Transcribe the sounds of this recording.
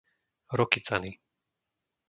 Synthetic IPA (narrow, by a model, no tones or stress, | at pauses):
ɾɔkit͡sani